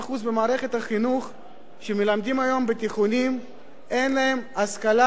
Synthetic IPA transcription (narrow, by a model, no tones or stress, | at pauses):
χuzbe̞maːʁe̞χe̞t̪haχinuχ | ʃemelamd̪imajo̞mbet̪iχunim | e̞nlaɦe̞maskala